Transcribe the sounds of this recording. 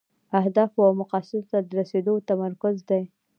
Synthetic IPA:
ahd̪ɑfwawmʊqɑsɪɾt̪ad̪əɾased̪ot̪amaɾkʊzd̪aj

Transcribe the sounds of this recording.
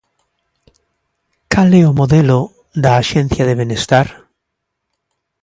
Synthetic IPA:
kaleomoðelo | d̪aːʃen̟θjaðeβenest̪aɾ

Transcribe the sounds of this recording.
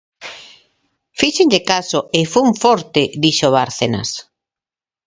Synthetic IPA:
fiʃeɲʎekasoefuŋfɔɾt̪ed̪iʃoβaɾθena̰s

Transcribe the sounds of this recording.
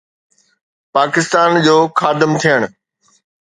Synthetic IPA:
paːkɪst̪aːnd͡ʑoːxaːd̪ɪmt̪ʰijəɽ̃

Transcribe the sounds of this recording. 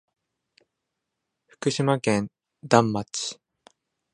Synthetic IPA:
ɸɯ̟̥kɯ̟ɕimakẽ̞n | d̪ãmːat͡sɨ̥

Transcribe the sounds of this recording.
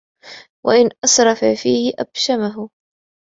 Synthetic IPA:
wʔa̰ʔɪnʔɑsɾˤɑfafiːhɪʔa̰b̥ʃamaɦʊ

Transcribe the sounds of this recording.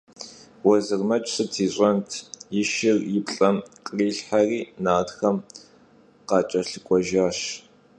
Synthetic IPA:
wɔzɨrmɐt͡ʃʼsɨtʰiːɕʼɐntʰjɪʃɪrjɪpɬʼɐmqʼriːɬħariːnaːdxɐm | qɑːt͡ʃʼɐɬɨkʷʼɔʒaːʃ

